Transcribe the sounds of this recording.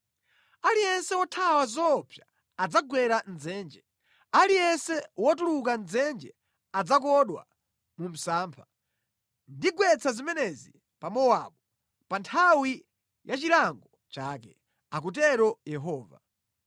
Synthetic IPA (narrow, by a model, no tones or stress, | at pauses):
alijɛnsɛwɔtʰawazɔpʰja | ad͡zaɡwɛɾan̩d͡zɛːnd͡ʒɛ | alijɛnsɛwɔtuluk̬anzɛnd͡ʒɛ | ad͡zak̬ɔɗwa̰ | mum̩saːmpʰa | ndiɡwɛt͡sʰazimɛnɛzi | pamɔwaɓɔ | pantʰawi | jʔat͡ʃilaŋɡɔ | t͡ʃaːkɛ | ak̬ut̬ɛɾɔjɛɦɔːva̰